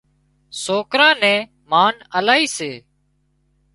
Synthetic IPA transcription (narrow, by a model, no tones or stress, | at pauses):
soːkɾãːnɛ̃ː | maːnəlaːiːseː